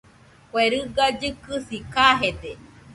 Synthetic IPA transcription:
kʷeɾɨɡad͡ʒɨkɨsikaɦed̪e

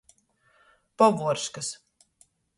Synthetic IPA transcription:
pɔvuɔɾʃkas

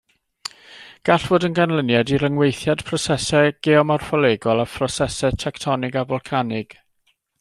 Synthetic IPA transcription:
ɡ̥aɬv̥oːdənɡanlˠənjadiɾəŋwejθjad̥pʰrɔsɛsɛɡ̥eɔmɔrfɔleːɡɔlˠafʰrɔsɛsɛtʰɛktʰɔnɪɡavɔlˠkʰanɪɡ̥

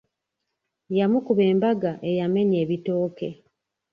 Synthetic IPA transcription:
jamukuβe̞ːmbaɡaʔe̞jame̞ɲe̞ːβito̞ːke̞

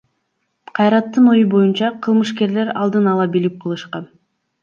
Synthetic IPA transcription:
qʰɑjɾɑt̪ːɯnojubo̞junt͡ʃɑqʰɯlˠmɯʃke̞ɾle̞ɾɑ̰lˠd̪ɯnɑlˠɑbilip̚qʰɯlˠɯʃqɑn

